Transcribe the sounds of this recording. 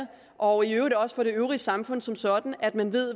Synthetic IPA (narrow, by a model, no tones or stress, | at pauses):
ʔɒ̽iøʊʁid̥ɒ̽sə̥fɒ̽ɾe̝øʊʁiəsɑ̈mfɔ̽n̰sɒ̽msɒ̽d̥n̩æd̥mænʋe̝ð̰ˠ